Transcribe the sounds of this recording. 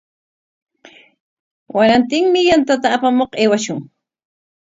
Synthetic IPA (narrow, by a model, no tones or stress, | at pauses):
waɾant̪ɪŋmɪjant̪at̪aːpamoqeːwaʃʊŋ